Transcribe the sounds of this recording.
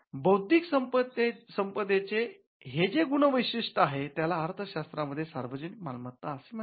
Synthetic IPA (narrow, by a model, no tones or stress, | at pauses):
bəwd̪ʱiksəmpət̪esəmpəd̪et͡se | ɦed͡zeɡuɳ̃əʋəjɕiʂʈəaɦet̪jalaːɾt̪ʰəɕast̪ɾaməd̪ʱːjesa̰ɾʋəd͡ʑənikmalmət̪ːaəsem